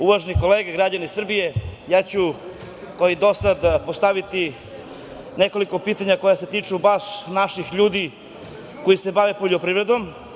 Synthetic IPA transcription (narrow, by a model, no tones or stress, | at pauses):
uʋaʒeniko̞leːɡeɡɾad͡ʑanisr̩bije̞jaːt͡ɕu | koid̪o̞sad̪post̪aʋit̪i | ne̞ko̞liko̞piːt̪aɲako̞jase̞t̪iːt͡ʂubaʂnaʃixʎuːd̪i | kojise̞baʋe̞poʎopɾiːvɾe̞d̪o̞m